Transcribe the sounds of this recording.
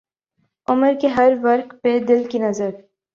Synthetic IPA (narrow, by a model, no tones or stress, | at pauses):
ʊməɾkeɦɐɾʋɐɾqped̪ɪlkinɐzəɾ